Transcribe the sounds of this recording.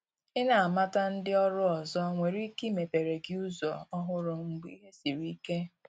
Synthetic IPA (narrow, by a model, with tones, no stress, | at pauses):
ɪ˦na˨a˨ma˦ta˦n̩˦dɪ˦ɔ˦ɾʊ˦ɔ˨zɔ˦ŋʷe˨ɾi˦ki˦me˨pe˨ɾe˨ɡɪ˦u˦zɔ˨ɔ˦ɦʊ˦ɾʊ˨ŋ͡m̩˨ɡ͡bḭ˦ɦe˦si˨ɾii˦ke˦